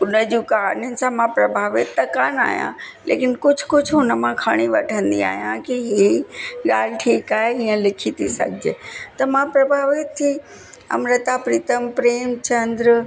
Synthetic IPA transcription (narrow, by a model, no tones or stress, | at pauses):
ʊnəd͡ʑũkaanjʊnɪ̆sãmãpɾɐbʱaːʋɪt̪ːɐkaːna̰ːɦijã̰ | lḛːkɪnkʊd͡ʑʱʊkʊd͡ʑʱɦʊnəmãkʰaɽ̃iʋɐʈʰə̃nd̪ḭa̰ːɦijã̰kiɦiɡaːl̤ɪʈʰiːkaːɦeɦiːə̃lɪkʰit̪ʰisɐ̰ɡʱɪd͡ʑeːt̪ɐmãpɾɐbʱaːʋɪt̪ʰːi | ɐ̰mɾət̪apɾiːt̪əmpɾeːmt͡ɕɐ̃nd̪ɾ